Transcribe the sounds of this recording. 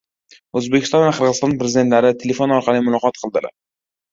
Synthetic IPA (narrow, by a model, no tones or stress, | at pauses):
ɵzbekʲɪ̥st̪ɒnvaqʰɨɾʁəzɨst̪ɒnpɾezid̪ent̪laɾɪt̪ʰele̞fonɒɾqʰɑlˠimʊlˠɒqɒt̪̚qʰɨlˠd̪ɪla̰ɾ